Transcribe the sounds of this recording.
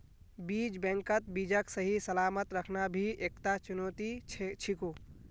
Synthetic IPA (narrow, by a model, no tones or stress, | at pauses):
bid͡ʒbɛ̃ŋkət̪̚bid͡ʒəksəɦisəlamət̪ɾəkʰnabʱiʔekt̪at͡ʃunot̪it͡ʃʰiku